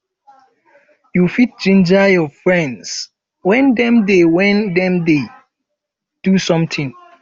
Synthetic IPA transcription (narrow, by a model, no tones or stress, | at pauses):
jufit̚d͡ʒĩnd͡ʒajɔfɹɛ̃nds | wɛ̃ndɛ̃mdewɛ̃ndɛ̃mde | d̥usɔ̃mtʰĩŋ